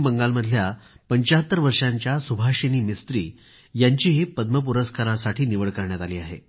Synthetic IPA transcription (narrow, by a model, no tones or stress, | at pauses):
bəŋɡalməd̪ʱjapəɲt͡ɕaɦət̪ːəɾʋəɾʂaɲt͡ɕjasubʱaɕeniːmist̪ɾiː | jaɲt͡ɕiːɦepəd̪məp̬uɾəskaɾãsaʈʰiːniʋəɭkəɾɳjat̪aliːaɦḛ